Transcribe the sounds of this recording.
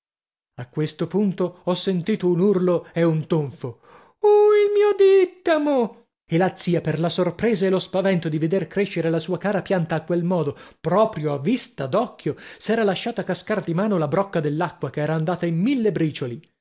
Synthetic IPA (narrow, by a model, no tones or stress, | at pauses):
akːwest̪opunt̪oɔsːent̪iːt̪ounurloɛunt̪oɱfo | uilmiːod̪it̪ːamo | elat̪sːiːaperlasorpɾeːzaelospavɛnt̪od̪ived̪erkɾeʃːeɾelasuːakaːɾapjant̪aːkwelmɔːd̪opɾɔːpɾjoavːist̪ad̪ɔkːjosɛːɾalaʃːaːt̪akaskard̪imaːnolabɾɔkːad̪elːakːwakeɛːɾaːnd̪aːt̪aimːilːebɾiːt͡ʃoli